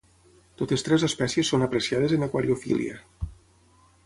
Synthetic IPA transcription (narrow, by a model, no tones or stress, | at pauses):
t̪ot̪est̪ɾɛzəspɛsiəsːonapɾəsiað̞ezənəkwaɾiofḭlḭə̰